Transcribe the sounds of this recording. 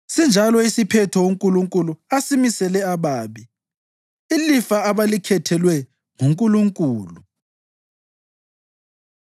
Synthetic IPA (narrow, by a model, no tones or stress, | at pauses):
sind͡ʒʱalɔisipʰɛtʰɔwoŋkʼuluŋkʼuluasimisɛlɛaβaːβi | ilifaaβalikʰɛtʰɛlwɛ | ŋuŋkʼuluŋkʼuːlu